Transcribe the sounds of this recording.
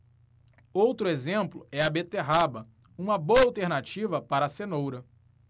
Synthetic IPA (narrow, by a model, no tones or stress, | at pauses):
owt̪ɾʊezẽmplʊɛɐbet̪eɦabɐ | ũmɐboɐawt̪eɾnat͡ʃivɐpaɾɐsenowɾɐ